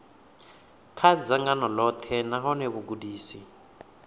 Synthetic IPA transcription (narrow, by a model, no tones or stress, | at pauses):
kʰad͡zaŋɡanɔlɔt̪ʰɛnaɦɔneβuɡudiːsi